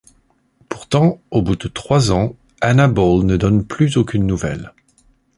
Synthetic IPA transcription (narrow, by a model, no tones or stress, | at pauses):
puʁt̪ɑ̃obud̪ət̪χwazɑ̃ | anabolnəd̪ɔnplyzokʲynːuvɛ̰l